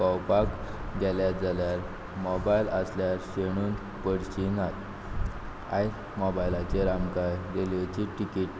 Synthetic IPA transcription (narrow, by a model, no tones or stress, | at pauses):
ɔwpakɡʱɛljad͡zaljaɾ | mɔbajləsljaɾɕeɽ̃uːn | pəɽɕinat̪ | a̰j | mɔbajlat͡ɕeɾamkajɾelet͡ɕiʈikiʈ̚